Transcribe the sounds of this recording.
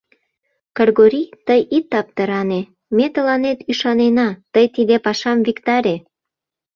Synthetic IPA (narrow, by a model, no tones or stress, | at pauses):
kɤrɣoɾʲit̪əjit̪ːɑp̚t̪əɾɑne | met̪əlɑnet̪yʃɑnenɑt̪əjt̪id̪epɑʃɑmvikt̪ɑɾʲe